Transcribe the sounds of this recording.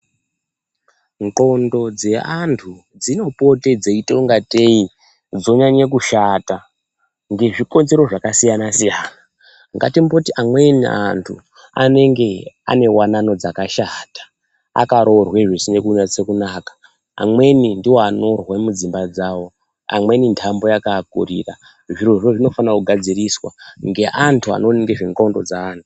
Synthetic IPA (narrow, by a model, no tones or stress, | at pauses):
ŋǃo̞ndo̞d͡ze̞antʰu | d͡zino̞po̞te̞d͡zeito̞ŋɡatei | d͡zo̞ɲaɲek̬uʃaːta | ŋɡe̞ʐiko̞nze̞ɾo̞ʐakasijanasijaːna | ŋɡa̰timbotiʔamwe̞nia̰ntʰu | a̰ne̞ŋɡe̞a̰ne̞wanano̞d͡zakaʃatḁ | a̰kaɾo̞rwe̞ʐesine̞kunat͡se̞kunaːkḁ̰ː | mwe̞nindiwoano̞rwemud͡zimbad͡zaːwo̞ | a̰mwe̞nintʰambo̞jakakurḭra | ʐiroʐoʐino̞fanakuɡʱad͡ziriswa̰ŋɡe̞ʔantʰua̰no̞niŋɡeʐiŋɡondo̞d͡zaaːntu